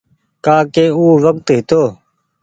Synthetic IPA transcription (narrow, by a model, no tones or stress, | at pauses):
kaːkeːuːʋəkt̪ɦɪt̪oː